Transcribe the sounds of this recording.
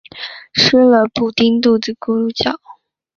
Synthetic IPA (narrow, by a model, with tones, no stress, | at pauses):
ʂ̩˥lə˨pu˨˩t̪i˥nt̪u˥˩t͡s̩˨˩ku˥˧ɻu˥˧t͡ɕjɑ˥˨˩ʊ